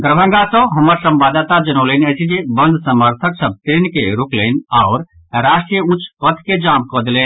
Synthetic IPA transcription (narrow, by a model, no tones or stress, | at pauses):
ɡ̪əɾəbʱə̃ŋɡasə̃ɦəməɾsə̃mbad̪at̪ad͡ʒənəʊlenət͡ʃʰid͡ʒebənd̪ʱsəməɾt̪ʰəksəb̚t̪ɾenkeɾuklɛnaʊɾ | ɾaʃʈɾijəut͡ʃʰpət̪ʰked͡ʒamkɔd̪elen